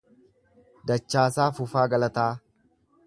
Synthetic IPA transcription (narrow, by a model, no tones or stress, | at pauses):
d̪ɐt͡ʃːaːsaːfʊfaːɡɐlɐt̪aː